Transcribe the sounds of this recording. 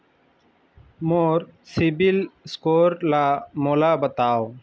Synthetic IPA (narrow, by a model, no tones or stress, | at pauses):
moːɾsibilskoːɾlaːmolaːbət̪aːo